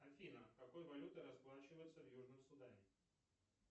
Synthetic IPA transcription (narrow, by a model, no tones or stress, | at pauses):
ɐfʲinəkɐko̞jvɐlʲut̪ɨɾɐsplˠat͡ɕɪvəjɪt̪səvjuʐnɨmsʊd̪anʲɪ